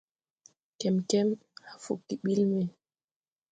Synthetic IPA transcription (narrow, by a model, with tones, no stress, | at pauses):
kɛ˨mkɛ˦m | ha˨fṵ˨kːi˨ɓi˦lmɛ˨